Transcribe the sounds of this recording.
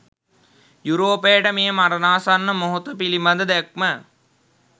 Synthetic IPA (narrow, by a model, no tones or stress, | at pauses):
juɾoːpejəʈəmeːəmaɾɐnaːsanːəmoɦut̪əpilimband̪əd̪æk̚mə